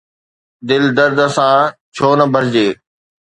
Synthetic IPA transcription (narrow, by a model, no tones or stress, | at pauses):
d̪ɪld̪əɾd̪sãːt͡ɕʰoːnəbʱəɾd͡ʑeː